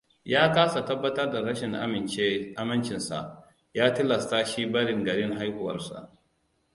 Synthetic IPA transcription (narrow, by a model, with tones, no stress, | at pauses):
jaː˦kaː˦sa˨tɐ˦bːɐ˦tɐ˦rda˨ɾɐ˦ʃɪ˨ŋʔa̰˦mɪ˨t͡ʃeː˦ʔa˦mɐ˦nt͡ʃɪ˨nsa̰˨ʔ | jaː˦tɪ˦lɐ˨staː˦ʃiː˦bɐ˦ɽɪ˨ŋɡɐ˨ɽɪ˦ŋɦa˦jhʊ˦wɐ̰˨rsa̰˨ʔ